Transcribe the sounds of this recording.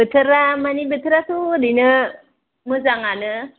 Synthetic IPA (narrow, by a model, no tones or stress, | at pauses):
bət̪əɾamanibət̪əɾat̪udinə | məs̬aŋanə